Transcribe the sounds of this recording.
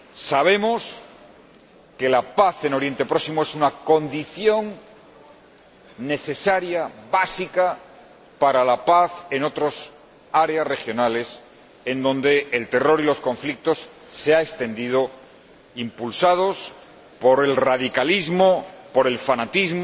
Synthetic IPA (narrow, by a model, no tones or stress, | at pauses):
saβ̞e̞mos | ke̞lapaθe̞no̞ɾje̞nt̪e̞pɾo̞ksimoe̞sunako̞nd̪iθjo̞ŋ | ne̞θe̞saɾjaβasika | paɾalapaθeno̞t̪ɾos | aɾe̞asre̞xjo̞nale̞s | e̞nd̪õ̞nd̪e̞ːlt̪e̞ro̞ɾilo̞sko̞ɱflik̚t̪o̞sː | eaekst̪e̞nd̪ið̞o̞ | impulsað̞os | po̞ɾe̞lraðikalizmopo̞ɾe̞lfanat̪izm